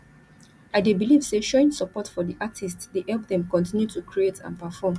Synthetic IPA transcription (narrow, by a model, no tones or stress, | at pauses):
aɪdebiliv̥seʃoɪ̃ŋsəpɔtfɔdiʔatʰistdeʔɛlp̚ðɛ̃mkɔ̃ntĩnjutukʰɹietʰã̰npɛfɔm